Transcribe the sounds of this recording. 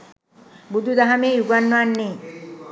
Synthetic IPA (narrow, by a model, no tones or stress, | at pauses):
bud̪ʱud̪aɦamejuɡanːanːe